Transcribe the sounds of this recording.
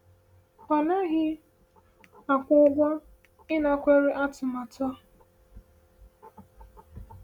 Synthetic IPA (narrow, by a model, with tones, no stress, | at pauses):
ɔ˨na˦ɣɪ˦ | a˨kʷʊ˦ɡɔ˦ | ɪ˦na˨kʷe˦ɾe˦ʔa˦tʊ˨ma˨tɔ˦